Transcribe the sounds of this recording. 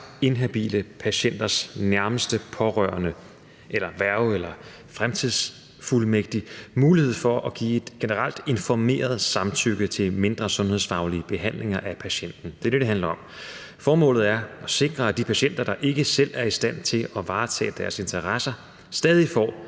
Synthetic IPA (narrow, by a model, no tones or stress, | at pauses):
e̝nɦæb̥ḭːləpʰæɕen̰d̥ɐsnæɐməsd̥əpʰɒ̽ʁœ̰ɐnə | ʔelɐʋæɐʊelɐ | fʁamt͡sʰið̰ˠs | fulmeɡ̥̚d̥imuːlihe̝ð̰ˠfɒ̽ʔɒ̽ɡ̥ḭːe̝d̥ɡ̥e̝nəʁal̰d̥e̝nfɒme̝̰ːɐð̞̩ˠsɑ̈mt͡sʰyɡ̥ət͡sʰe̝lme̝nd̥ʁɐsɔ̽nhe̝ð̰ˠsfɑ̈ʊliəb̥e̝ɦæn̰le̝ŋɐʔæpʰæɕen̰d̥n̩d̥e̝ɐd̥ed̥eɦænlɐɒ̽m | fɒːmɔ̰̽ːlð̩ˠæɐʔɒ̽se̝ɡ̥ʁɐæd̥ipʰæɕen̰d̥ɐd̥ɑ̈ʔe̝ɡ̥əsel̰æɐisd̥æn̰t͡sʰe̝lɒ̽ʋɑ̈ːt͡sʰɛ̰ːd̥æɐse̝nt͡sʰɐʁɑsɐ | sd̥ɛːð̞ˠifɒ̰ː